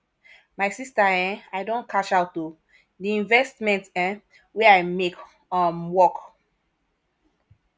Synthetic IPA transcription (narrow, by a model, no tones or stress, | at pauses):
majsistaɛ̃ajdõnkʰat͡ʃaʊtːu | diĩnvɛstmɛ̃ntɛ̃ | wɛajmek | amwɔk